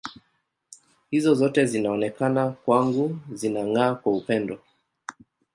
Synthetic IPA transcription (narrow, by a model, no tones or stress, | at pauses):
hizɔzɔtɛzinaɔnɛkanakwaŋɡuzinaŋaːkwaupɛndɔ